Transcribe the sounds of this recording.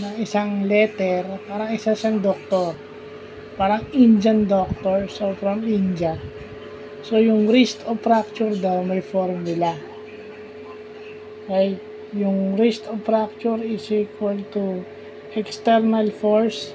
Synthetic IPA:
nɐŋɪsaŋlɛt̪ɛɾpaːɾɐŋɪsasɐŋd̪ok̚t̪oɾ | paːɾɐŋind͡ʒɐnd̪ok̚t̪oɹsofɾɐmind͡ʒɐ | so̞jʊŋɾist̪ofɾak̚t͡ʃʊɾd̪ɐwmɐjfoɾmnɪla | okajt̪ | jʊŋɾist̪ofɾak̚t͡ʃuɾɪsikwɐlt̪u | ʔɛkst̪ɛɾnɐlfoɹs

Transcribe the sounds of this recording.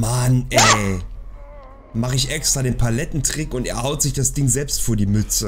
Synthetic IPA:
manʔɛː | maχəɪç̬ʔɛkstʁ̥aːdeːnpʰalɛtn̩tʁ̥ɪkʊnteːɐhaʊtz̥ɪçd̥asd̥ɪŋzɛlpstfoːɐdiːmʏt͡sə

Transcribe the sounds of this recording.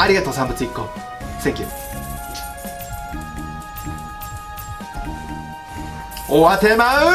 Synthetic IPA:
aɾʲiɣat̪oːsãmbɯt͡sɨikːo | sẽŋkʲɯ | owat̪emaɯ

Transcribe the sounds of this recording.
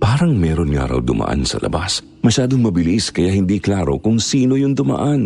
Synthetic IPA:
paːɾɐŋmɛːɾo̞nŋa̰ɾɐ̰wd̪ʊmʔɐ̰ʔa̰nsɐ̰lɐ̰bas | mɐʃaːd̪oŋmɐbɪliskɐjahɪnd̪iːklaːɾo̞̰kʊŋsiːno̞jʊnd̪ʊmɐ̰ʔan

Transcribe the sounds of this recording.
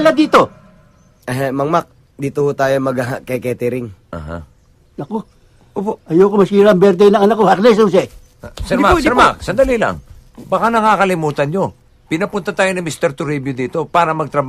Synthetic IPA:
lɐd̪iːt̪o | ɛɦmɐŋmak̚ | d̪iːt̪ohot̪aːjomɐɡaɦakɛkɛt̪ɪɾɪŋʔa̰ːɦa̰ | nɐko | ʔoːpoʔɐjokomɐsiːɾɐɐmbɛɾd̪ɛjnɐŋɐnakohɐklɛs̬ons̬ɛ | sɛɾmasɛɾmaksɐnd̪ɐlilɐ̰ŋbakanɐŋaːkɐlɪmuːt̪ɐnɲo̞ | pɪnɐpʊnt̪ɐt̪aːjonɐmist̪ɛɾt̪ʊɾibjod̪iːt̪o̞paːɾɐmɐɡ̚t̪ɾɐb

